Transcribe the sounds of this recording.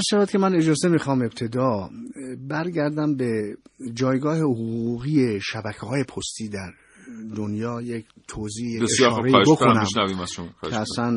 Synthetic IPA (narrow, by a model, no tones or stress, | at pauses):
æʃævæd̪̚cʰemæne̞d͡ʒɒːze̞mixɒːme̞b̚t̪ʰe̞d̪ɒː | bæɾɟæɾd̪æmbe̞d͡ʒɒːjɡɒːhe̞hoɣɣuːɣiːeʃæbækʰehɒːje̞pʰost̪iːd̪æɾ | d̪onjɒːjek | t̪ʰoziːeejɒʃɾɒːɾeibokʰonæmʃnæviːmæzʃomkʰeæsæn